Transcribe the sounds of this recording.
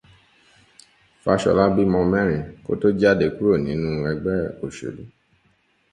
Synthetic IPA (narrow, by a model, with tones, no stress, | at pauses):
fa˧ʃɔ̰˧la˦bi˦mɔ̃˧mɛ̃˦˨ɾ̃ĩ˨ko̰˦to˦d͡ʒa˦˨de˧˦ku˦ɾo˦˨nĩ˨˦nũ˦˧ɛ˧ɡ͡bɛ˦o˨ʃo̰˨lu˦